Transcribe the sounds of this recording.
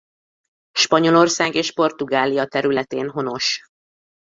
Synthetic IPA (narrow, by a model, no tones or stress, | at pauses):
ʃpɒɲo̞lo̞rsaːɡeːʃpo̞rt̪uɡaːlijɒt̪ɛɾylɛt̪eːnɦo̞no̞ʃ